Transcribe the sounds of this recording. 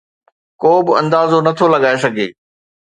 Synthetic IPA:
koːbɪɐ̰̃nd̪aːzonɐt̪ʰolɐɠaːes̬ɐɡʱḛː

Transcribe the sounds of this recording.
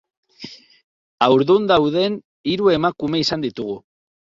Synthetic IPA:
awɾðund̪awðe̞n | iɾue̞makume̞isand̪it̪uɣ̞u

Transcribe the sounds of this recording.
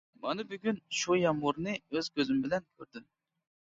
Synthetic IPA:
mɑnɨbyɡʲynʃujɑmuɾnɨøz̥kʲøzymbɪlɛnkʲʰøɾd̪ym

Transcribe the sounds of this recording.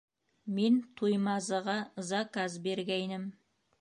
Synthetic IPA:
ment̪ʰujmɑzəʁɑzɑkɑzbe̞ɾɡʲæjnɪm

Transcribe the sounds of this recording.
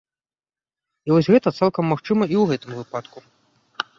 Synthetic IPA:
ivɔsʲɣɛt̪ɐt̪salˠkɐmːaxt͡ʂɨmɐiwɣɛt̪ɨmvɨpat̪ku

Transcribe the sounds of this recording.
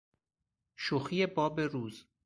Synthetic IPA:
ʃoxijebɒːbeɾuːz

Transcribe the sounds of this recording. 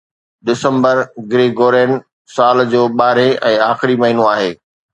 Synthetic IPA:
ɗɪsə̃mbəɾɡɾeːɡoːɾẽːn | saːld͡ʑoːɓaːɾẽʔɛ̃ːaːxɪɾimɐɦiːnõaːɦeː

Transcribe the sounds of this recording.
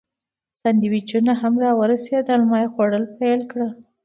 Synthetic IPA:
sand̪iwit͡ʃunaɦamɾɑwəɾased̪əlmɑjexoɽəlpajlkɽə

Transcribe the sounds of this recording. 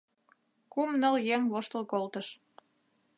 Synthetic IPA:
kumnəljeŋβoʃt̪əlkolt̪əʃ

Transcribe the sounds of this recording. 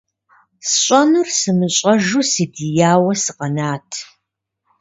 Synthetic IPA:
sɕʼɐnursɨmɨɕʼɐʒusidijaːwɐsɨqɐnaːtʰ

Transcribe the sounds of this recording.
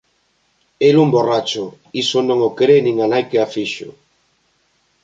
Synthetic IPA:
elumborat͡ʃʊ | isonõŋokeɾenĩŋanajkeafiʃʊ̰

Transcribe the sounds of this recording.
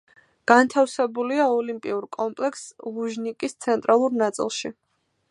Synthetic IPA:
ɡ̥ant̪ʰafsɛbuliaɔlimpʼḭuɾkʼɔmpʼlɛkslˠuʒnikʼist̪sʰɛnt̪ʼɾalˠuɾnat̪sʼḭlˠʃi

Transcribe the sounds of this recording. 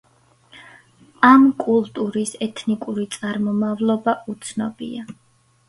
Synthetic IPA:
amkʼulˠt̪ʼuɾisɛt̪ʰnikʼuɾit̪sʼaɾmɔmavlˠɔbaʔut̪sʰnɔbḭa

